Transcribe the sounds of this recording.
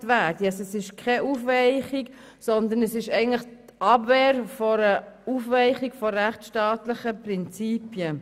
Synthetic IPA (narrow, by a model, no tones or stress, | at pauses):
ʋæːdiɛsɛsɪʃkʰɛʔufʋɛɪχik | sɔnd̪ənəsɪʃɛɪɡəntləχt̪ɑbveːɾfɔɾəufʋɛɪχikfɔɾæχtʃtɑːt̪ləχəpɾɪnt͡siːpjə